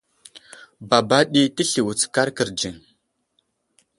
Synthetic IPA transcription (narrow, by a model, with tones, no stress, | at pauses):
ba˨ba˦ɗi˦ti˦ɬi˨wu˨t͡ska˦ɾkə˨ɾd͡ʒi˨ŋ